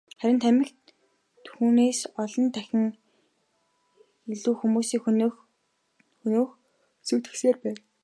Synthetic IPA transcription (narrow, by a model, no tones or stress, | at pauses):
χæɾʲɪ̆nt̪ʰæmʲɪ̆xt̪ | xuːneːsɔɮɞ̆nt̪ʰæxʲɪ̆ŋ | iɮuːxumuːsiːŋx | xɵnoːx | suːt̪ɘ̥̆xseːrpæːn